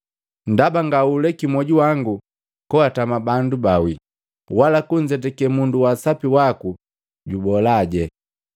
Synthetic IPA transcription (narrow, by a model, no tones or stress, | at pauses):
n̩dabaŋɡaulɛkimɔɟuwaŋɡu | kɔatamabandubawi | walakuɲd͡ʒɛt̬ɛkɛmunduwasapiwaku | ɟubɔlaːɟɛ